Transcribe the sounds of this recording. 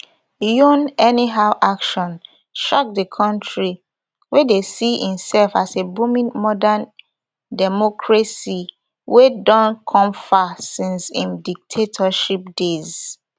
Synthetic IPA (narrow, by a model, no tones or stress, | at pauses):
jũnɛniɦaʊʔakʃɔ̃n | ʃak̚dəkʰɔ̃ntʰɹi | wedesiĩmsɛlfasebumĩŋmɔdãn | dɛmɔkʰɹasi | wʔedɔ̃nkʰɔ̃mfasĩnsĩmdik̚tʰetʰɔʃip̚dez